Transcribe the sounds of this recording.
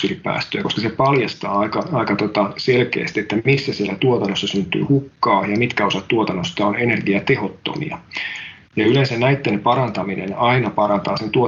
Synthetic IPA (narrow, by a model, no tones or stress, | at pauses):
sylippæ̰ːst̪øːkoskɑsepɑljɑst̪ɑːɑikɑɑikɑt̪ot̪ɑselkḛːst̪iet̪ːæmisːæsielːæt̪uot̪ɑnːosːɑsynt̪y̰ːhukːɑːjɑmit̪kæo̞sɑt̪tuot̪ɑnːost̪ɑonene̞rɡiɑt̪eɦo̞t̪ːo̰mḭɑ̰ | jɑylensænnæit̪ːenpɑɾɑnt̪ɑminḛnɑinɑpɑɾɑnt̪ɑːsent̪uo